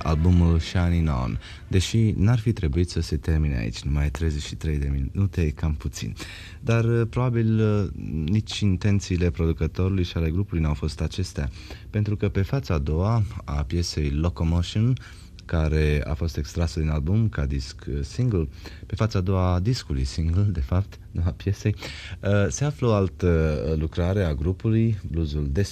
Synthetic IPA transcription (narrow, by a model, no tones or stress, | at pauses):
a̰lbumulʃanino̰n | d̪e̞ʃinarfit̪ɾe̞buit̪səse̞t̪e̞rminea̰ḭt͡ʃʲnumajt̪ɾe̞jze̞t͡ʃʃi̥t̪ɾe̞jd̪e̞minut̪e̞kamput̪sḭn | d̪arpɾo̞babil | nit͡ʃʲint̪e̞nt̪siːle̞pɾo̞d̪ukət̪o̞ɾulujʃiale̞ɡɾupulujnawfo̞st̪at͡ʃe̞st̪ea | pent̪ɾukəpe̞fat̪saːd̪o̞waapje̞se̞jlo̞komoʃin | kaɾe̞a̰fo̞st̪e̞kst̪ɾasəd̪inalbumkad̪isksiŋɡlpe̞fat̪saːd̪o̞wad̪iskulṵjsiŋɡld̪e̞fap̚t̪ | nuapje̞se̞jəse̞afləo̞alt̪əlukɾaɾe̞aɡɾupulujbluzuld̪e̞s